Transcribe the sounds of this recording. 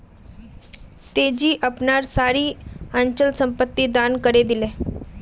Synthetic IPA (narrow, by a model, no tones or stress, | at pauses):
t̪ed͡ʑiːʔəpnaɾsaɾiːaɲt͡ɕəlsəmpət̪ːiːd̪ankəɾed̪ile